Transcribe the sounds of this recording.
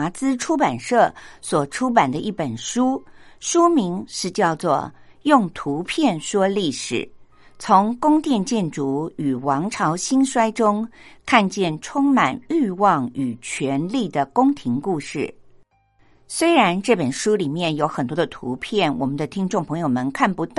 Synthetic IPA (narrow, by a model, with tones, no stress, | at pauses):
t͡sɹ̩˥ʈ͡ʂʰu˥pa˨˩nʂɤ˥˩swɔ˨˩ʈ͡ʂʰu˥p̬a˨˩nd̪ə˦ʔi˥˩pə˨˩nʂu˥ʂu˥mi˧˥ŋʂɻ̩˥˧t͡ɕjɑ˥˧ʊt͡swɔ̰˥˩ | jʊ˥˩ŋt̪ʰu˧˥pʰjɛ˥˩nʂwɔ˥li˥˩ʂɻ̩̰˨˩˦ | t͡sʰʊ˧˥ŋkʊ˥ŋt̪jɛ˥˧nt͡ɕjɛ˥˩nʈ͡ʂu˧˥y˨˩wɑ˧˥ŋʈ͡ʂʰɑ˧˥ʊɕi˥nʂwa˥ɪʈ͡ʂʊ˥ŋkʰa˥˧nt͡ɕjɛ˥˩nʈ͡ʂʰʊ˥ŋma˨˩ny˥˧wɑ˥˩ŋy˨˩t͡ɕʰɥɛ˧˥nli˥˩d̪ə˩kʊ˥ŋt̪ʰi˧˥ŋku˥˧ʂɻ̩˥˩ | swe˥ɪɻa˧˥nʈ͡ʂɤ˥˩pə˨˩nʂu˥li˨˩mjɛ˥˩njo˧˥ʊxə˨˩nt̪wɔ˥d̪ə˧t̪ʰṵ˧˥pʰjɛ˥˩nwʔɔ̰˨˩mə˦nd̪ə˧t̪ʰi˥ŋʈ͡ʂʊ˥˩ŋpʰɤ˧˥ŋjo˨˩ʊmə˧nkʰa˥˩npu˧˥t̪